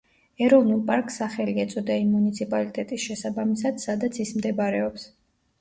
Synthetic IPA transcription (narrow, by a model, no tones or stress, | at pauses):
ɛɾɔvnulˠpʼaɾkʼsːaχɛliɛt̪sʼɔd̪aimːunit̪sʰipʼalit̪ʼɛt̪ʼisʃɛsabamisad̪̥sad̪at̪sʰismd̪ɛbaɾɛɔps